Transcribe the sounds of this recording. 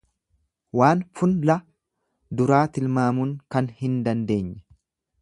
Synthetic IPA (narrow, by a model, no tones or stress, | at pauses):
waːnfʊnlɐ | d̪ʊɾaːt̪ɪlmaːmʊŋkɐnhɪnd̪ɐnd̪e̞ːɲːɛ